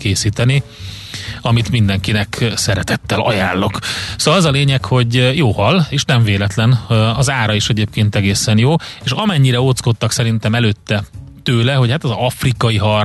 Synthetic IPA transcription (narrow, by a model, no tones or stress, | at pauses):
keːsiːt̪ɛni | ɒmit̪mind̪ɛŋkinɛksɛɾɛt̪ɛt̪ːɛlʔɒ̰jaːlːo̞ksoːlɒzɒleːɲɛkho̞ɟjoːhɒlːeːʃnɛɱveːlɛt̪lɛnɒzaːɾɒiʃɛɟeːpkeːnt̪ɛɡeːsɛnjoːeːʃɒmɛɲːiɾɛot̪sko̞t̪ːɒksɛɾint̪ɛmɛløːt̪ːɛ | t̪øːlɛɦo̞chat̪ɛzɒfrikɒiɦɒr